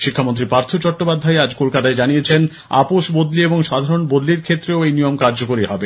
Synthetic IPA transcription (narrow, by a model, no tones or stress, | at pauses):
ʃikʰːamont̪ɾipɾaɾt̪ʰot͡ɕɔʈːopad̪ʱːaead͡ʑkolkat̪aed͡ʑanijet͡ɕʰen | a̰poʃbod̪lieboŋʃad̪ʱaɾonbod̪liɾkʰet̪ːɾeoejnijomkaɾd͡ʑokoɾiɦɔbe